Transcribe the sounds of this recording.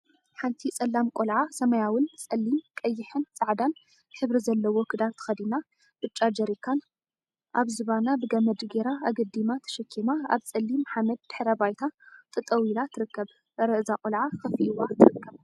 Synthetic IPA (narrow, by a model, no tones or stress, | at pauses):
ħant̪ʰit͡sʼɐlːamkʼolʕasɐmɐjawʊnsʼɐlːimkʼɐjːɪħɨnsʼaʕd̪an | ħɨβɾizɐlːɐwokʰɨd̪ant̪ʰɨ̥xɐd̪ina | b̥ɨt͡ʃʼad͡ʒɐɾikʰːan | ʔaβzɨβanabɨɡɐmɐd̪ɡeɾaaɡɐd̪imat̪ʰɐ̥ʃɐkʰːimaa̰βt͡sʼɐlːimħamɐd̪̚ːɨħɾɐbajt̪ʰat̪ʼɨt̪ʼɐwilat̪ʰɨɾɨkːɐβ | ɾɐʔɨzakʼolʕakɐfiʔiwat̪ʰɨɾɨkːɐβ